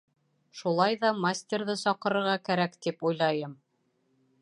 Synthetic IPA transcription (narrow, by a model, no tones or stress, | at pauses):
ʃulˠɑjðɑmasʲt̪ʲeɾðɘsɒqɤ̆ɾɤ̆ɾʁɑkæɾækt̪ipujlˠɑjɤm